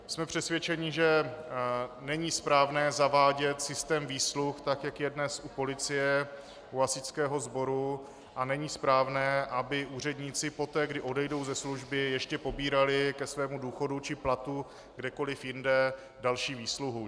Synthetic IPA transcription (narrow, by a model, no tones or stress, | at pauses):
smɛpr̝̥ɛsvʲjɛt͡ʃɛɲɪʒɛ | nɛɲiːspɾaːvnɛːzavaːɟɛt̪sɪst̪ɛːmviːsluxt̪akjakjɛdnɛsʔupo̞lɪt͡sɪjɛ | uasɪt͡skɛːɦo̞zbo̞ɾu | ʔanɛɲiːspɾaːvnɛːʔabɪʔuːr̝ɛdɲiːt͡sɪpo̞t̪ɛːɡdɪʔo̞dɛjdo̞wzɛsluʒbɪjɛʃcɛpo̞biːɾalɪkɛsvɛːmuduːxo̞dut͡ʃɪplat̪u | ɡdɛko̞lɪfjɪndɛ | dalʃiːviːsluɦu